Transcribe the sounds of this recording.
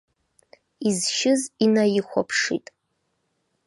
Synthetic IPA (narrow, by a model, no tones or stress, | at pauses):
izʃɪzinajɪxʷa̰pʰʂḭtʼ